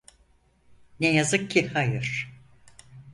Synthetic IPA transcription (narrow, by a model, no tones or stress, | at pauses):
nɛjazɯkcːihajɯɾ̥